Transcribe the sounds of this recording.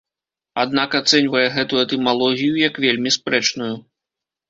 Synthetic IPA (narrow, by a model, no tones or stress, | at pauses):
ad̪̚nakat̪sɛnʲvɐjɛɣɛt̪ujɛt̪ɛmalˠɔɣʲijujɐkvʲelʲmʲispɾɛt͡ʂnuju